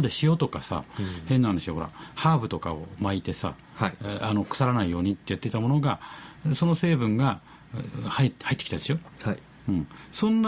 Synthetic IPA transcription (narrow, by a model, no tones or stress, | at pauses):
d̪eɕijo̞t̪o̞kasa̰henːahaneɕijoho̞ɾa̰haːbɯ̟t̪o̞ka̰omait̪e̞sa̰ | ano̞kɯ̟̥saɾanaijo̞ːɲ̟it̪ːe̞jat̪ːeit̪amo̞no̞ɡaso̞no̞se̞ːbɯ̟̃ŋɡa | haihait̪ːkʲi̥t̪ad̪e̞ɕo̞ːh | ɯ̟̃ɴsõ̞nː